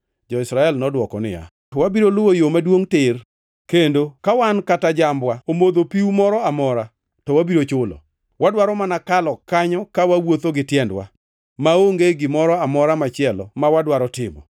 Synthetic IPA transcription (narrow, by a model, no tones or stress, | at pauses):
d͡ʒɔɪsɾaɛlnɔdwɔkɔnɪ̰ja̰ | tɔwabiɾolʊwojomadwoŋtɪr | kendokawankatad͡ʒambwaomod̪opiumɔɾɔamɔɾa | tɔwabiɾot͡ʃʊlɔ̰ | wadwaɾɔmanakalɔkaɲɔkawawot̪oɡɪtjɛndwa̰ | maoŋɡeɡɪmɔɾɔamɔɾamat͡ʃɪɛlɔ̰mawadwaɾɔtɪmɔ̰